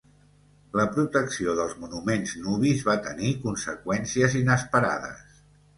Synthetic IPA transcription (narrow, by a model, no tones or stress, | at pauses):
ləpɾut̪əksioðəlˠzmunumenznuβizβat̪ənikunsəkwɛnsiəzinəspəɾa̰ðə̰s